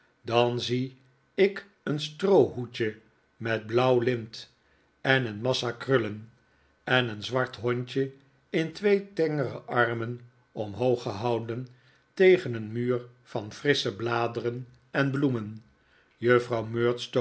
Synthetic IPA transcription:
dɑnzi | ɪk | ənstrowɦucə | mɛd̚blʌwlɪmt | ɛnənmɑsakrɵlən | ɛnənzʋɑɹtɦɔɲt͡ʃə | ɪntʋejtɛŋərə̰ʔɑɹmən | ɔmɦowχəɦɑwdən | tejχənənmyːrfɑnfrɪsəblaːdərən | ɛnblumən | jøfrɑwmøːɹtsto

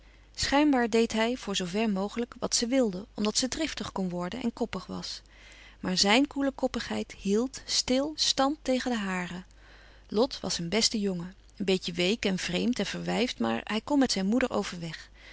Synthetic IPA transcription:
sχɛjnbaːɹdejtɦɛjv̥ʊːɹzowvɛɹmowχələkʋɑ̰tsəʋɪlˠdəɔmdɑtsədrɪftəχkɔnʋɔɹdənʔɛ̰nkɔpəχʋɑ̰s | maːɹzɛjnkuləkɔpəχɦɛjtɦilˠtstɪlˠstɑnttejχəndəɦaːrə | lɔtʋɑ̰sənbɛstəjɔŋə | ənbejcəʋejkɛnv̥rejmtɛnv̥əɹʋɛjftma̰ːɹɦɛjkɔmːɛtsɛjnmudəɹʔo̰wv̥əɹʋɛχ

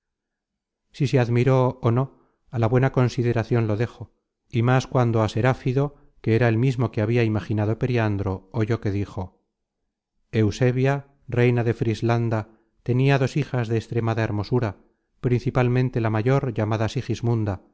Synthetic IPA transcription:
siseaðmiɾo̞ːno̞ | alaβwe̞nako̞nsiðe̞ɾaθjo̞nlo̞ðe̞xo̞ | imaskwand̪o̞ase̞ɾafiðo̞ | ke̞eɾaelmizmo̞keaβ̞iaimaχinað̞o̞pe̞ɾiand̪ɾo̞oʝo̞ke̞ðixo̞ | e̞wse̞βja | re̞jnaðe̞fɾizland̪a | t̪e̞niaðo̞sixazðeːst̪ɾe̞maðae̞ɾmo̞suɾa | pɾinθipalmẽnt̪e̞lamaʝo̞ɾʝamaðasixizmũnd̪a

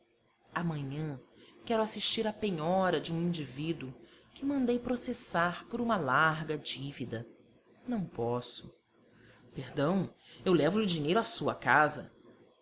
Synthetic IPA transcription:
ɐmɐ̃ɲɐ̃kɛɾʊasiʃt͡ʃiɾɐpeɲɔɾɐd͡ʒɪũĩnd͡ʒivid̪ʊkɪmɐ̃nd̪ejpɾosesaɾpoɾũmɐlaɾɡɐd͡ʒivid̪ɐ | nɐ̃w̃pɔsʊ̥ | peɾd̪ɐ̃w̃ewlɛvʊlɪʊd͡ʒiɲejɾʊasuɐ̰kazɐ

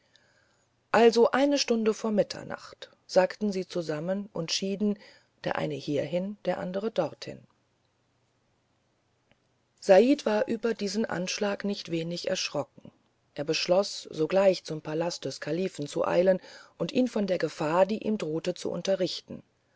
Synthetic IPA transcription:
ʔalzoʔaɪnəʃtʊndəfoːɐmɪtʰɐ̰na̰χt | z̥aːktn̩ziːt͡suzamənʔʊntʃiːdn̩ | d̥eːɐʔa̰ɪnəhiːɐɦɪnd̥eːɐʔa̰ndəʁ̞ədɔʁthɪ̰n | z̥aʔiːtv̥aːɐʔyːbɐdiːzn̩ʔa̰nʃlaːknɪçtv̥eːnɪçʔɛ̰ɐʃʁ̥ɔkŋ̩ | ʔeːɐbəʃlɔsz̥oːɡlaɪçt͡sʊmpʰalast̚d̥ɛskʰaliːfn̩t͡sṵʔa̰ɪlənʔʊntʔiːnfɔndeːɐɡəfaːɐdiːʔiːmdʁoːtət͡sṵʔʊ̰ntɐʁɪçtn̩

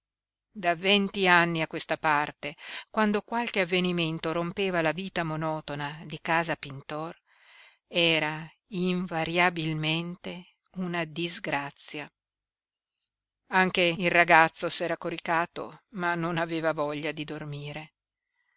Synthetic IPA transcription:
d̪avent̪ianːiakːwest̪apart̪ekwand̪okwalk̟eavːeniment̪oɾompeːvalaviːt̪amonɔːt̪onad̪ikaːzapint̪ɔr | ɛːɾa | iɱvaɾjabilment̪e | unad̪izɡɾat̪sːja | aŋk̟eilraɡat̪sːosɛːɾakoɾikaːt̪o̰manːonaveːvavɔʎːad̪id̪ormiːɾe

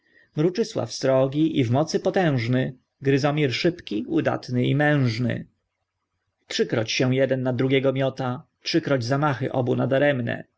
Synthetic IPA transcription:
mɾut͡ʂɘswa̰fst̪ɾɔɡʲiʔivmɔt̪sɘpɔt̪ɛ̃w̃ʐnɘ | ɡɾɘzɔmʲiɾʂɘpkʲiud̪a̰t̪nɘimɛ̃w̃ʐnɘ̰ | tʂɘkɾɔt͡ɕɕɛw̃jɛd̪ɛnːad̪ɾuɡʲɛɡɔmʲjɔt̪atʂɘkɾɔd͡ʑzamaxɘ̰ʔɔbunad̪aɾɛmnɛ̰

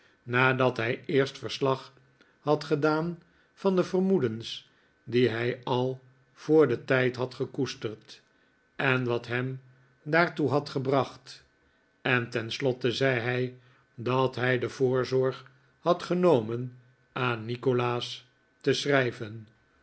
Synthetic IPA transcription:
naːdɑtɦɛjɪːɹstfəɹslɑχ | hɑtχədaːn | fɑndəvərmudəns | diɦɛjɑlˠ | v̥oːɹdətɛjtɦɑtχəkustərt | ʔɛnʋɑtɦɛm | daːɹtuɦɑtχəbrɑχt | ɛntɛnslɔtəzɛjɦɛj | dɑtɦɛjdəv̥ʊːɹzɔɹχ | hɑtχənowmən | aːnːikolaːs | təsrɛjvən

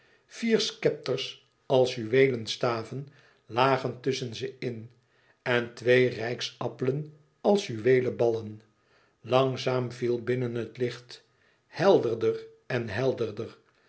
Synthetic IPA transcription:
v̥iːɹskɛp̚tərs | ɑlˠshyʋejlənstaːvən | laːχəntɵsənzəɪn | ɛntʋejrɛjksɑpələn | ɑlˠsjyʋejləbɑlən | lɑŋzaːmvilˠbɪnənɦətlɪχt | hɛlˠdəɹdər | ɛnɦɛlˠdəɹdər

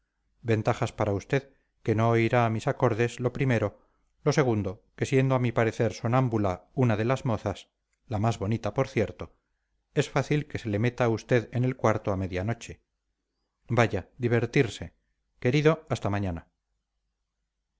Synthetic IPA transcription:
be̞nt̪aχaspaɾaust̪e̞ð | ke̞no̞ːiɾaːmisako̞ɾðe̞zlo̞pɾime̞ɾo̞ | lo̞se̞ɣ̞und̪o̞ke̞sje̞nd̪oamipaɾe̞θe̞ɾsonambulaunaðe̞lazmo̞θas | lamazβo̞nit̪apoɾθje̞ɾt̪o̞ | e̞sfaθilke̞se̞le̞me̞t̪aːust̪e̞ðe̞ne̞lkwaɾt̪oame̞ðjano̞t͡ʃe̞ | baʝad̪iβ̞e̞ɾt̪iɾse̞ | ke̞ɾiðo̞ast̪amaɲana

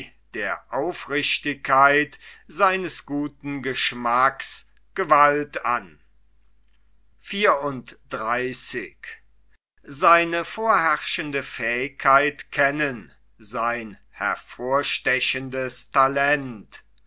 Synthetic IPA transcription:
d̥eːɐʔaʊfʁɪʃtɪkʰːaɪtz̥aɪnəsɡ̥uːtn̩ɡəʃmaks | ɡ̥əvalta̰n | fiːɐʊntd̥ʁaɪsɪk | zaɪnəfoːɐɦɛʁʃəndəfɛːɪkʰːaɪtkʰɛnən | zaɪn | hɛ̰ɐfoːɐʃtɛʃəndəstʰalɛnt

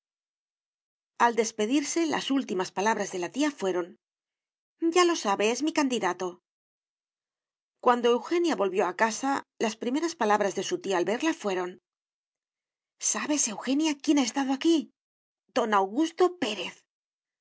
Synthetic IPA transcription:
ald̪e̞spe̞ðiɾse̞la̰sult̪imaspalaβ̞ɾazðe̞lat̪iafwe̞ɾo̞n | ɟ͡ʝalo̞saβe̞e̞zmikand̪iðat̪o̞ | kwand̪o̞e̞wxe̞njaβo̞lβjo̞akasalaspɾime̞ɾaspalaβɾazðe̞sut̪iaːlβe̞ɾlafwe̞ɾo̞n | saβe̞se̞wxe̞njakje̞naest̪að̞oaki | d̪o̞nawɣust̪o̞pe̞ɾe̞θ

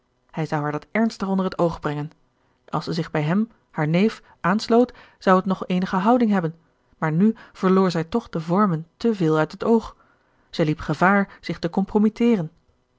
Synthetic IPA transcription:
hɛjzʌwɦaːɹdɑtɛɹnstəχɔndərɦətowχbrɛŋən | ʔɑlˠsəzɪχbɛjɦɛm | haːɹnejf | ʔaːnslowt | z̥ɑwɦətnɔχejnəχəɦʌwdɪŋɦɛbən | maːɹnyv̥əɹlʊːɹzɛjtɔχd̥əvɔɹməntəvɪːlˠœɥtɦətowχ | z̥ɛjlipχəvaːɹz̥ɪχtəkɔmpromitɪːrən

